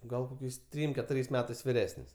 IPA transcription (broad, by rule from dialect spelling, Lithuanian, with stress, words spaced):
ˈɡɐlˠ koːˈkʲɛɪs ˈtʲrʲiːm kʲɛˈtʊrʲɛɪs ˈmʲæːtɐɪs ʋʲɪˈrʲæːsʲnʲɪs